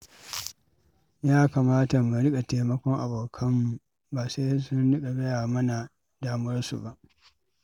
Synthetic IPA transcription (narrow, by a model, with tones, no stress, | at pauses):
jaː˦kaː˨maː˦ta˨mu˨ɽɪ˦kʼa˨teː˨mɐ˦kʷɔ˦ŋʔa̰˨boː˨kʰɐ˦mːu˨ | baː˨se˦sʊ˦nɽɪ˦kʼa˨ɡɐ˦jaː˨mɐ˦na˨ | daː˦m˦ɐ˦rsṵ˨ba˦˨ʔ